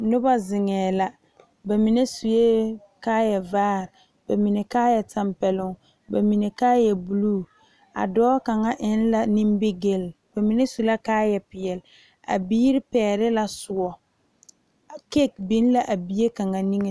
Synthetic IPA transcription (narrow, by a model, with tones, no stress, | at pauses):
nʊ˦ba˦zɪ˨ŋɛː˨la˨ | ba˨mi˨ne˦su˨je˦ | kaː˦jɛ˨vaː˦ɾ | ba˨mi˨ne˨kaː˦jɛ˨ta˦mpɛ˨lʊ˨ŋ | ba˨mi˨ne˨kaː˦jɛ˨bu˨luː˦˨ | a̰˨dɔː˦ka˨ŋa˦ʔɪ˦nla˨ni˦mbe˦ɡe˦l | b̥a˨mi˨ne˦su˨la˦kaː˦jɛ˨pɪ˨jɛ˨l | a̰˨biː˦ɾɪ˦pɛː˨˦˨ɾɪ˦la˨sʊ˨ɔ˨ | ke˦˨k̚bi˦n˦la˦ʔa˨bi˨je˦ka˨ŋa˨ni˦ŋe˨